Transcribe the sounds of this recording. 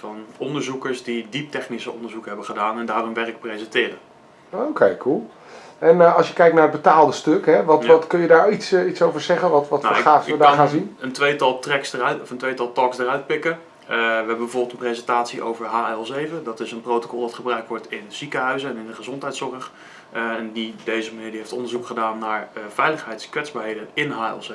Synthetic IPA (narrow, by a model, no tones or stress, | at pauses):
vɑnɔndəɹzukəɹsdidip̚tɛχnisəɔndəɹzukəɦɛbəχədaːnɛndaːrɔmʋɛrɪk̚prejzɛntɪːrən | owkʰejkʰulˠ | ɛnəɑlˠsjəkɛjk̚naɹəd̚bətaːlˠdəstøkɦɛʋɑtɑtkɵnjədaːɹitsitsowvəɹzɛχəʋɑtʋɑtnaχaːfədaːχaːnzinəntʋejtɑlˠtrɛksdərtɔfəntʋejtɑlˠtɑksdərœɥt̚pɪkə | ʋəɦɛbəbəvoːɹbɪlˠtənprejzɛntaːtsiʔo̰wvəɹɦaːlˠzejvədɑtɪsənprowto̥kɔlˠʋɑtχəbrœɥk̚tʋɔɹtɪnz̥ikəɦœɥzəɛnɪndəχəzɔntɦɛjtsɔrəχ | ɛndidejzəmaniːdiɦejftɔndəɹzukχədaːnːaːɹəvɛjləχɦɛjtskʋɛzbaːɹɦejdənɪnɦaːɪ̰lˠze